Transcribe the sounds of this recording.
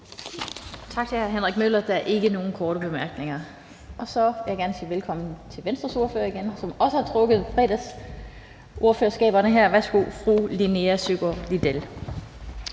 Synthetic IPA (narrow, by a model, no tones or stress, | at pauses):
t͡sʰɑ̈ɡ̥̚t͡sʰeæɐɦenʁaɡ̥̚møl̰ɐd̥ææɐʔe̝ɡ̥əno̝ːn̩kʰɒːɾ̥əb̥e̝mæɐɡ̥ne̝ŋɐ | ɒ̽sɒ̽ʋejɑɡ̥æɐnəsḭːʋelkʰɒ̽m̰n̩t͡sʰe̝lʋensd̥ʁɐso̝ɐføɐ̰iɡ̥ensɒ̽mɒ̽səhɑ̈t͡sʰʁɔ̽ɡ̥ð̩ˠfʁɛ̰ːd̥æs | ʔo̝ɐføɐsɡ̥ɛ̰ːb̥ɐnəɦæɐ̰ʋæsɡ̥ufʁṵːlineæsyɡ̥ɐlid̥el